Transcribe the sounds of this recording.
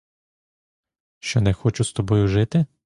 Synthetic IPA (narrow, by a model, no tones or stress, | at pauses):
ʃt͡ʃɔnɛxɔt͡ʃʊst̪ɔbɔjʊʒɪt̪ɪ